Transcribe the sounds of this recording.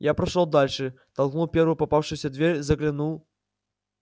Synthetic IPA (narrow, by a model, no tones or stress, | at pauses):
japɾaʂɔwd̪alʲʂɨ | t̪alˠknuwpʲɛɾvɨpapawʂɨsʲɐd̪ʲvʲɛrʲzɐklʲinuw